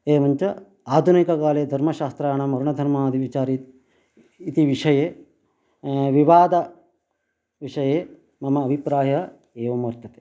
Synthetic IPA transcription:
eːmɐɲt͡ʃɐ | aːd̪ʱunikɐkaːleːd̪ʱɐɾmɐʃaːst̪ɾaːɳɐmɐɾuɳɐd̪ʱɐɾmaːd̪ʱiʋit͡ʃaːɾit̪ | it̪iʋiʂɐjeː | ʋiʋaːd̪ɐ | ʋiʂɐjeː | mɐmɐːbʱipɾaːjɐ | eːʋɐmʋɐɾt̪ʰɐt̪e̥

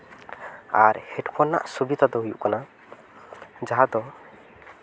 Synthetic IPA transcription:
aɾhɛʈpʰɔna̰ʔsubid̪ʰʱad̪ɔɦujṵʔkana | d͡ʒaɦad̪ɔ

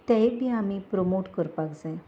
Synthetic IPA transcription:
t̪ɛebʱiamipɾomoʈkəɾpakd͡zae

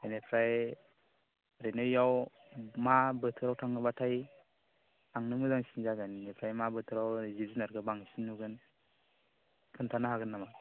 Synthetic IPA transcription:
enepʰɾaj | ɾenɯjaw | mabɯtʰɯɾawtʰaŋɯbatʰaj | aŋnɯmɯdaŋsinzaɡannepʰɾajmabɯtʰɯɾawzizinaɾɡɯbaŋsinːuɡɯn | kʰɯntʰanaɦaɡɯnːama

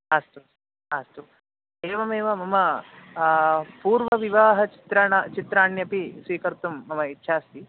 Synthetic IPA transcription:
aːst̪u | aːst̪u | eːʋɐmeːʋɐmɐmɐ | puːɾʋɐʋiʋaːɦɐt͡ʃi̥t̪ɾɐɳɐt͡ʃit̪ɾaːɳjɐpisʋiːkɐɾt̪umːɐmɐitːʃʰaːst̪i

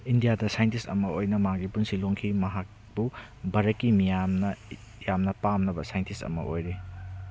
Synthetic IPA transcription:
indijadɐsajentistɐ̰mɐojnɐmaŋɡipunsiloŋkʰimɐɦak̚ | b̥u | bɐɾɐkːimijamnɐ | jamnɐpamnɐbɐsajentʰistɐ̰mɐ̰ʔojɾe

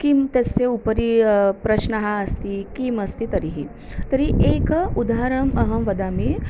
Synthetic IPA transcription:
kimt̪est͡seupəɾipɾəɕnəɦaəst̪ikiməst̪it̪əɾiɦi | t̪əɾiʔekud̪aɦaɾəməɦəmʋəd̪ame

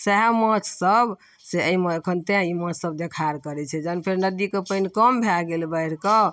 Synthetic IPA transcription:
seɦmət͡ʃʰsəb | seəimeekʰənt̪ẽimə̃t͡ʃʰsəb̚d̪ekʰaɾkəɾɛt͡ʃʰɛd͡ʒənpʰeɾnəd̪ikepəinkəmbʱaɡelbəiɾkə

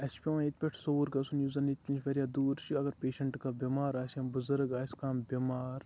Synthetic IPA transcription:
ɐspʲiãnit̪pʲɐʈʰsoːɾkɐsunjuːzɐnit̪kint͡ʃʰʋɐɾʲjaːd̪uːɾt͡ʃʰiɐɡɐɾpeːʃɐɳʈkabʲimaːɾaːsɐmbʊzɐɾɡaːskaːmbimaːɾ

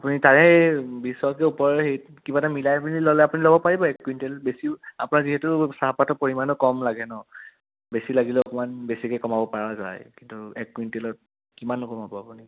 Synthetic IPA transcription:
apunitaɹɛbisɔkɛupɔɹɛxej | kibatamilajpunilɔlɛapunilɔbɔpaɹibɔɛkːwintelbesia̰punaɹziɦɛtʊsaɦapatɔpoɹimanɔkɔmlaɡɛnɔ | besilaɡilɛɔkɔmanbesikɛkɔmabɔpaɹaza̰jkintuɛkːwintelɔt̚ | kimanːʊkɔmabɔapuni

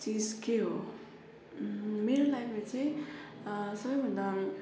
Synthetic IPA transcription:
t͡sid͡zkeɦo | meɾolajpʰet͡sãĩ | sʌbʌjbʱʌnd̪a

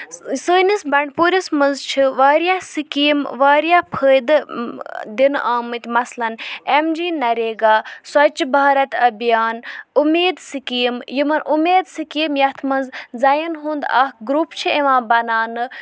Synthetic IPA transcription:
səːnisbɐɳɖpuːɾʲismɐnzt͡ʃʰiʋaːɾjaːsikiːmʋaːɾjaːpʰəːjd̪ɨ | d̪inʔaːmɨt̪ʲmɐslɐnemd͡ʒiːnɐɾeːɡaːsɐt͡ʃbaːɾɐt̪ɐbijaːnumeːd̪sikiːmjimɐnʔumeːd̪sikiːmjɐt̪ʰmɐnzzɐjinɦũːnd̪ɐ̰hɡɾuːpt͡ʃʰieʋãːbɐnaːnɨ

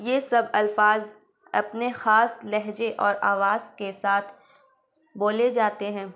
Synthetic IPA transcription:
jeːsɐbɐlfaːz | ɐpnexaːslɛɦd͡ʒeʔɔːɾaːʋaːz̥kesaːt̪ʰ | boːled͡ʒaːt̪eɦɛ̃ː

